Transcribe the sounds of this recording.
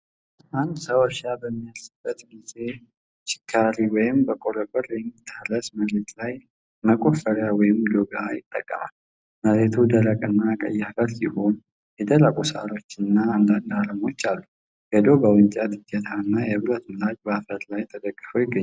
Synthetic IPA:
ʔand̪səwɔʃabəmːijalsɨbːət̪ɡize̞ | ʃɪ̥kʰːaɾiwɔjɪmbəkʼoɾəbəɾjɛmːit̪ʰːalːəsməɾet̪laj | məkʼofəɾawɔjɪmd̪oɡajɪ̰t̪ʼːə̰kʼːə̰ma̰lː | məɾet̪ʰud̪əɾəkʼɨnːakʼə̰jːaɡəɾsiho̞n | jɛd̪əlakʼusa̰ɾo̞t͡ʃːɨnːaand̪and̪aləmo̞t͡ʃːalːu | jɛd̪o̞bəwɨɲt͡ʃʼat̪ɨd͡ʒːɛt̪ʰaɨnːajɛβɨɾət̪ʰlad͡ʒbəfət̪lajt̪ʰəd̪əkʼːɨfojɪɡːəɲː

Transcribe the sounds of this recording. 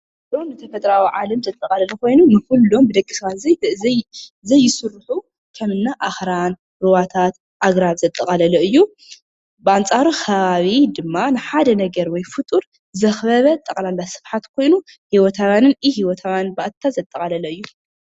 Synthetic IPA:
kulomnɨt̪ʰɐfɐt̪ʼɾawiʕalɐmzɐt̪ʼːɐkʼɐlɐlɐko̞jnunɨkulːo̞mbɨd̪ɐkʼːisɨβat̪zɐ | zɐjːɪsɨrːɨħu | kʰɐmɨnːaʔaxɾan | ɾɨwat̪ʰat̪ | ʔaɡɾaβzɐt̪ʼːɐkʼɐlɐlɐʔɨjːu | bɨʔant͡sʼaɾukʰɐβaβid̪ɨmːanɨħad̪ɐnɐɡɐɾwɔjfɨt̪ʼuɾ | zɐxbɐβɐt̪ʼɐkʼlalːasɨ̥fħat̪kʰo̞jnu | hiwɔt̪ʰawanɨnihiwɔt̪ʰawanbaʔt̪ʰːazɐt̪ʼːɐkʼɐlɐlɐɨjːu

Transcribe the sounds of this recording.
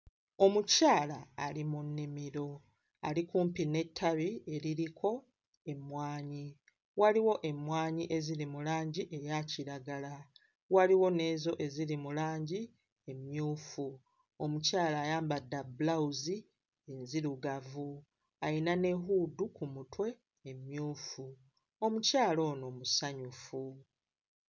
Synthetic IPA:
o̞mucaːlaːlimunːimiɾo̞ | alikuːmpine̞tʰːaβie̞ɾiɾikʰo̞ | e̞mwaːɲi | waliwo̞ʔe̞mwaːɲiʔe̞ziɾimulaːɲɟiʔe̞jaciɾaɡala | waliwo̞ne̞ːzo̞ʔe̞ziɾimulaːɲɟi | e̞mjuːfu | omucaːlaːjaːmbadːabulauzi | enziɾuɡavu | ainane̞ɦuːdukumutwe̞ː | mjuːfu | omucaːlo̞ːno̞ːmusaɲufu

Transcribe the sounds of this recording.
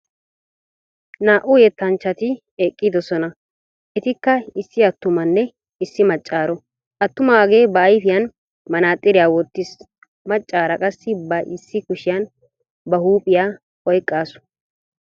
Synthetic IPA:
naːʔʊjɛt̪ːɐnt͡ʃːɐt̪ɪ | eːkʼːid̪ɔsɔnɐ | ʔɛt̪ɪkːɐɪsːɪɐt̪ːʊmɐnːɛ | ɪsːɪmɐt͡ʃʼːaːɾɔ | ʔɐt̪ːʊmaːɡe̞ːbɐːjfɪjɐn | mɐnaːt̪ʼːɪɾɪjaːwɔt̪ːɪs | mɐt͡ʃʼːaːɾɐkʼɐsːɪbɐʔɪsːɪkʊʃɪjɐn | bɐhuːpʼɪjaː | ɔjkʼːaːsʊ̥

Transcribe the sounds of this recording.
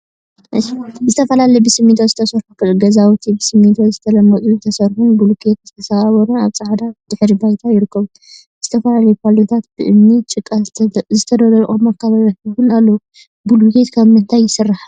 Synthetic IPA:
ʔɨjzɨt̪ʰɐfɐlalɐjibɨsɨmːit̪ʰozɨt̪ʰɐsɐɾħukɡɐzawt̪ʰibɨsɨmːit̪ʰozɨt̪ʰɐlɐmːɐt͡sʼuzt̪ʰɐsɐɾħunɡulukʰet̪zɨt̪ʰɐsaβaβɐɾunaβsʼaʕad̪ad̪̥ɨħɾibajt̪ʰajɪɾɨkːɐβu | z̥ɨt̪ʰɐfɐlalɐjupʰalot̪ʰat̪̚bɨʔɨmnit͡ʃʼɨkʼːazɨt̪ʰɐd̪ɐlɐɾʔʼomakʰːaβɐɾɐħɨɡɨnalːɐu | ɡulkʰet̪kʰaβmɨnt̪ʰajːɪsɨrːaħa

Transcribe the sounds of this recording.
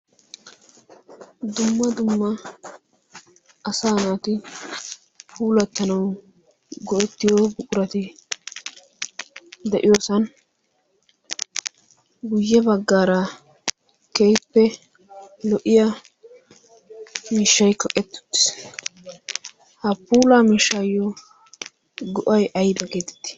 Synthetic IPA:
d̪ʊmːɐd̪ʊmːɐ | ɐsaːnaːt̪ɪ | puːlɐt̪ːɐnɐw | ɡɔʔɛt̪ːɪjoːbʊkʼʊɾɐt̪ɪ | d̪ɛʔɪjoːsɐn | ɡʊjːɛbɐɡːaːɾɐ | kejpːɛ | lɔʔɪja | miːʃːɐjkɐkʼɛt̪ːʊ̥t̪ːɪ̥s | hɐpuːlaːmiːʃːaːjːɔ | ɡɔʔɐjɐjbɐɡeːt̪ɛ̥t̪ːɪ̥

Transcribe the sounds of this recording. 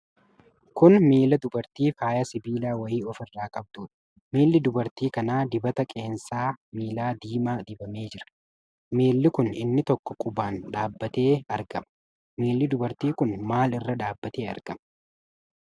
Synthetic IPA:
kʊnmiːlɐd̪ʊbɐɾt̪iːfaːjɐsɪbiːlaːwɐjiːɔfɪrːaːkʼɐb̚t̪uːᶑɐ̥ | miːlːɪd̪ʊbɐɾt̪iːkɐnaːd̪ɪbɐt̪ɐkʼe̞ːnsaːmiːlaːd̪iːmaːd̪ɪbɐme̞ːd͡ʒɪɾɐ̥ | meːlːɪkʊnɪ̰nːɪt̪ɔkːɔ̥kʼʊbaːnᶑaːbːɐt̪e̞ːɐɾɡɐmɐ | meːlːɪd̪ʊbɐɾt̪iːkʊnmaːlɪrːɐᶑaːbːɐt̪e̞ːɐ̰ɾɡ̥ɐmɐ

